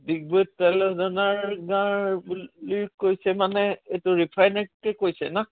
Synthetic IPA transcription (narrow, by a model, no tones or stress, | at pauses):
dik̚botːɛlɛdɔnaɹɡãɹbulikːojsɛmanɛetʊɹipʰajnakɛkojsɛna